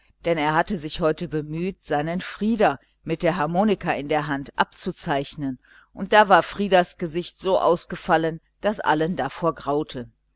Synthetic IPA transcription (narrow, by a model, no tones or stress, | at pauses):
d̥ɛneːɐɦatəzɪçhɔʏtəbəmyːtz̥aɪnənfʁ̥iːdɐ | mɪt̚d̥eːɐɦaɐmoːnɪkaɪndeːɐɦantʔa̰p̚t͡sut͡saɪçnən | ʔʊnt̚d̥aːvaːɐfʁ̥iːdɐsɡ̥əzɪçtz̥oːʔa̰ʊsɡ̥əfalən | d̥asʔa̰ləndafoːɐɡʁaʊtʰə